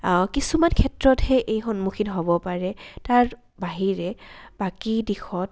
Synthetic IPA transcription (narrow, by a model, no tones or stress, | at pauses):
kisumankʰɛtɹɔthɛʔejxɔnmukʰitɦobɔpaɹɛtaɹ | baɦiɹɛbakidixʰɔt̚